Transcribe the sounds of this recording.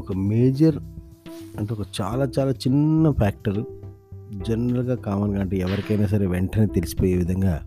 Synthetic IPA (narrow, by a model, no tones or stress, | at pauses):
ɔkɐmeːd͡ʒɐɾ | ɐɳʈeɔkɐt͡ʃa̰ːlaːt͡ʃaːlaːt͡ʃinːɐpʰaːk̚ʈɐɾ | d͡ʒɛnɐɾɐlɡaːkaːmɐnɡaːɳʈeɛʋɐɾikɐjnaːs̬ɐɾe̞ːʋɛɳʈɐneːt̪elisi̥poːjeːʋid̪ʱɐŋɡaː